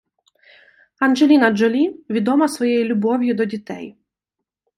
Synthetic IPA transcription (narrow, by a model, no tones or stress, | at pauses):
ɐnʒelʲinɐd͡ʒɔlʲiʋʲid̪ɔmɐsʋɔjejilʲʊbɔwʲjʊd̪ɔdʲit̪ɛ̰j